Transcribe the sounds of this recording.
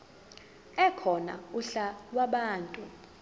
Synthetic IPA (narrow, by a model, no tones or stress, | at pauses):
ɛkʰɔna̰uɬalwaɓaːntʼu